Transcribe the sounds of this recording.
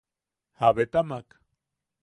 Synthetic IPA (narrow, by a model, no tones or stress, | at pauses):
haβet̪amak